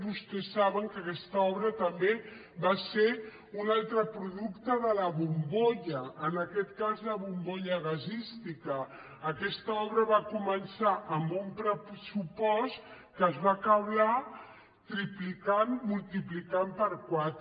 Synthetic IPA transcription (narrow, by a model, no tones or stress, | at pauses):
βust̪ɛsːaβəŋkəkɛst̪əɔβɾət̪əmbe | βase | unalˠt̪ɾəpɾuðukt̪əðələβumboʎəːnəkɛt̪kazləβumboʎəɣəzist̪ikəː | kɛst̪əɔβɾəβakumənsaʔəmbumpɾəsupɔst̪ | kəːzβakəwla | t̪ɾiplikanmulˠt̪iplikampəɾkwat̪